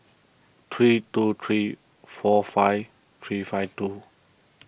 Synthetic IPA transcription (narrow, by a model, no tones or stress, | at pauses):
t̪ʰɹitut̪ʰɹiː | fɔfajv | t̪ʰɹiːfajvtu